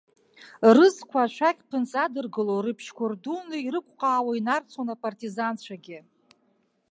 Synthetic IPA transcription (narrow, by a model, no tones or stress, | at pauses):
rɨzkʷʰaːʃʷʰakʲpʰɨnt͡sʼadɨrɡɨlorɨpʰʃkʷʰʊrdunɨiɾɨkʷʼqʼaːwainart͡sʰonapʼartʼizant͡ɕʷʰaɡʲɪ